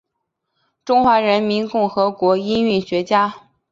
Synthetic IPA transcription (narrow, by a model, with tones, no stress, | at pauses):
ʈ͡ʂʊ˥ŋxwa˧˥ɻə˧˥nmi˧˥nkʊ˥˩ŋxɤ˧˥kwɔ˧˥i˥ny˥˩nɕɥɛ˧˥t͡ɕja˥